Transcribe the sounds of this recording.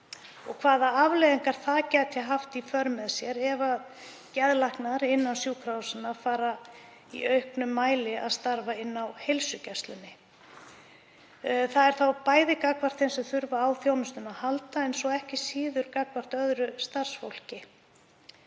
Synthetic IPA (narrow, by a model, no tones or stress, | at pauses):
ɔɣkʰvaːðaavlejðɪŋkaɾ̥θaðcɛt̪ʰjaɦaft̪ifœɾmɛðsjɛɾɛva | cɛðlahknaɾɪnːansjuːkʰɾawsɪnafaːɾa | ḭœɥhknʏmːaːjlɪa̰ðst̪aɾvaɪnːawhejlsʏcɛst̪lʏnːɪ | θaðɛɾ̥θawpaːjðɪkakvar̥t̪θɛnsʏθʏɾvaːwθjownʏst̪ʏnahalt̪aɛnsɔɣɛhcɪsiːðʏɾkakvar̥t̪œðɾʏst̪ar̥sfowl̥cɪ